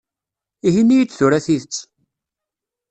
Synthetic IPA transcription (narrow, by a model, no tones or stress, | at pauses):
iɦinːijət͡sːθuɾæθiθət͡sː